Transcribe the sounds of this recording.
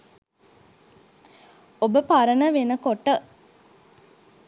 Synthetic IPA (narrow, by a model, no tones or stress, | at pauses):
obəpaɾənəʋenəkoʈə